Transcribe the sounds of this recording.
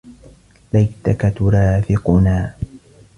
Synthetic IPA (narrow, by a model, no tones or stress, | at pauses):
lajt̪akat̪ʊɾɑːfɪqʊnaː